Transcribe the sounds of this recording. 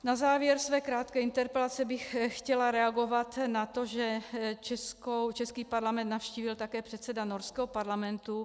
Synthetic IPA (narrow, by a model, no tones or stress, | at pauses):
nazaːvjɛɾsvɛːkɾaːt̪kɛːint̪ɛɾpɛlat͡sɛbɪxxcɛlaɾɛaɡo̞vat̪nat̪oʒɛt͡ʃɛskowt͡ʃɛskiːpaɾlamɛnt̪nafʃciːvɪlt̪akɛːpr̝̥ɛt̪sɛdanoɾskɛːɦopaɾlamɛnt̪u